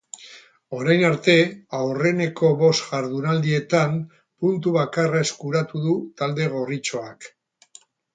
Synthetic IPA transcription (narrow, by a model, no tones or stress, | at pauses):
o̞ɾajnaɾt̪e̞awre̞ne̞ko̞βo̞sʝaɾð̞unald̪ie̞t̪am | punt̪uβakarae̞skuɾat̪uðut̪ald̪e̞ɣ̞o̞rit͡ʃo̞ak